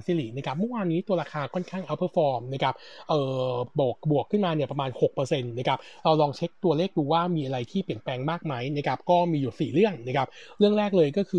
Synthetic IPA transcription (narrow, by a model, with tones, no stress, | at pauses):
si˧liː˨˩na˦˥kʰa˦˥p̚mɤ˥˩waː˧nːiː˦˥t̪u˧ɐɾaː˧kʰaː˧kʰɔ˥˩nkʰaː˥˩ŋʔa˦˥pʰɤː˥˩fɔː˧mna˦˥kʰa˦˥p̚ʔɤː˨˩bu˨˩ək̚bu˨˩əkʰːɯ˥˩nmaː˧ni˨˩ɐpɾa˧maː˧nho˨˩k̚pɤː˧se˧nna˦˥kʰa˦˥p̚ɾa˧wlɔː˧ŋt͡ɕʰe˦˥k̚t̪u˧ɐleː˥˩k̚duː˧waː˥˩miː˧ʔa˧ɾa˧jt̪ʰiː˥˩pli˨˩ənpɛː˧ŋmaː˥˩k̚ma˦˥jna˦˥kʰa˦˥p̚kɔː˥˩miː˧juː˨˩siː˨˩ɾɯ˥˩əŋna˦˥˩kʰa˦˥p̚ɾɯ˥˩əŋɾɛː˥˩k̚lɤː˧jkɔː˥˩kʰɯː˧